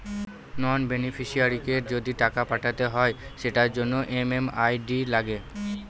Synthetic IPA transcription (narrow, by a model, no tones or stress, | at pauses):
nɔnbenifʰiʃiaɾikeɾd͡ʑod̪iʈakapaʈʰat̪eɦɔeʃeʈaɾd͡ʑonːoʔememajɖilaɡe